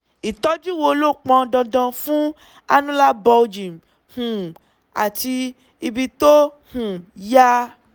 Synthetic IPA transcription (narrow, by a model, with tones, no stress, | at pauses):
i˨tɔ˦d͡ʒu˦wo˧lo˦˨k͡pɔ̃˧dɔ̃˧dɔ̃˧fũ˦ | a˧nũ˦la˦bɔ˧d͡ʒĩ˨m˨ | hũ˨ | a̰˨ti˧ | i˧bi˧to˦ | hũ˨ja˦